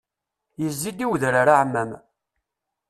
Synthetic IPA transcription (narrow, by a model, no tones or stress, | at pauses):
jəzːid̪iwðɾaɾaʕmːæm